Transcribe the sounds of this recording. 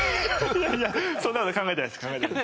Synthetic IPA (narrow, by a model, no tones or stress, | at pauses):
jajasonːakot̪okãŋɡaet̪ajmskãŋɡaet̪